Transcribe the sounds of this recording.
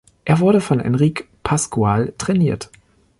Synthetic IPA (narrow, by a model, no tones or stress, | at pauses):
ʔeːɐvʊɐɾəfɔnʔɛ̰nʁiːk | pʰaskualtʁ̥ɛniːɐt